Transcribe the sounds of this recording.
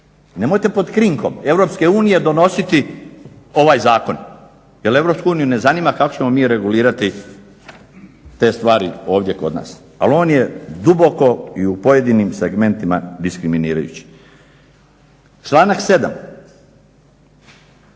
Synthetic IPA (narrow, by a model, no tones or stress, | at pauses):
ne̞mo̞jt̪e̞po̞d̪kɾiŋko̞me̞ʋɾo̞pske̞uːnije̞d̪o̞no̞sit̪i | o̞ʋaːjzaːko̞n | je̞le̞ʋɾo̞ːpskuuːnijune̞zaniːmakakot͡ɕe̞mo̞miːɾe̞ɡuliːɾat̪i | t̪e̞ːst̪ʋaːɾio̞ːʋd̪je̞ko̞d̪na̰ːs | a̰lo̞ːnje̞d̪ubo̞ko̞iupo̞je̞d̪inimseɡme̞nt̪ima̰d̪iskɾiminiːɾa̰jṵt͡ɕi̥ | t͡ʃlˠaːnakse̞d̪a̰m